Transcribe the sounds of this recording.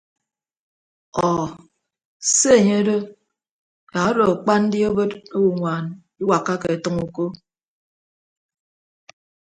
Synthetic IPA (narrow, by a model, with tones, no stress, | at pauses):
ɔ˨ | se˦e˨ɲe˦do˦ | ja˨˦do˨k͡pa˦n̩˦di˦o˦bo˦to˦wu˨ŋʷaː˨n | i˦wa˨kːa˦ke˨e˨tɨ˦ŋu˨ko˦